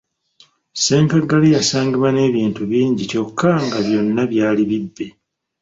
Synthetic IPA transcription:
se̞ːŋkaɡalijasaːŋɡiβwane̞ːβiːntuβiːɲɟico̞kʰːaŋɡaβjo̞nːaβjaːliβibːe̞

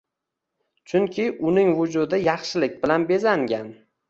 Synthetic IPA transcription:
t͡ʃʰʊŋkʲʰɪʔʊnɪŋvʊd͡ʒʊd̪ɪjɑχʃɪlɪk̚ʲbɪlanbe̞zaŋɡʲan

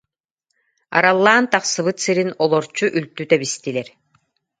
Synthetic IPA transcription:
a̰ɾalˠːaːnt̪aχsɯβɯt̪sɯɾinɔlˠɔɾt͡ɕuʔylt̪yt̪ɛβist̪ilɛɾ

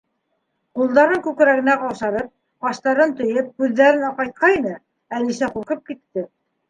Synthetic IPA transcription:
qulˠd̪ɑɾɤŋkʉkɾæɣɘ̆næqɑwʃɑɾɤp̚ | qɑʃt̪ɑɾɤnt̪ɵ̆jɤp̚kʉðːæɾɘnɑqɑjt̪̚qɑinɤ | ælisæquɾqɤp̚kit̪ːɘ

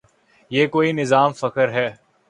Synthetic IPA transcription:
jeːkoːinɪzaːmfɐkəɾɦɛː

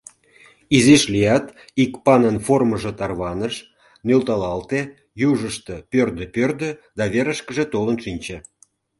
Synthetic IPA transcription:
iziʃlijɑt̪ | ikpɑnənforməʒĕt̪ɑrβɑnəʃ | nølt̪ɑlɑlt̪e | juʒəʃt̪ə̆pʲørd̪ə̆pørd̪ø̆d̪ɑβeɾə̆ʃkə̆ʒet̪olənʃinʲt͡ɕĕ

